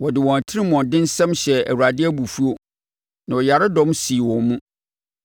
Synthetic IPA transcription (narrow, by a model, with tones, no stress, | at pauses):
wɔ˨dɪ˨wɔ̃˨tʰɪ˦ɾɪ˦mɔ̃˨ndɪ̃˦n̩˦sɛ̃˦mɕɛ˨æ̰˨wu˨a˨dɪ˦æ˦bu˨fu˦o˦ | nã˨wɔ˨ja˨ɾɪ˦dɔ̃˦msi˨wɔ̃˨nːũ˦